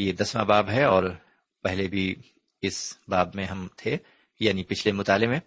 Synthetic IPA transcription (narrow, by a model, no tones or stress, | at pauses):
jed̪ɐsmã̰baːbɦɛɔːɾ | pɛɦlebʱi | ɪsbaːbmẽɦɐmt̪ʰe | jaːnipɪt͡ʃʰlemʊt̪aːlemẽ